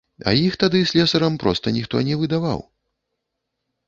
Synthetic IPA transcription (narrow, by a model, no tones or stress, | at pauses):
ɐ̰jixt̪ad̪ɨsʲlʲɛsɐɾɐmpɾɔst̪ɐnʲixt̪ɔ̰nʲɛvɨd̪ava̰w